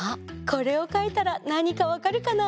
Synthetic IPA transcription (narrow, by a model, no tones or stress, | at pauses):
akʰo̞ɾe̞o̞kait̪aɾanaɲ̟ikaβakaɾɯ̟kana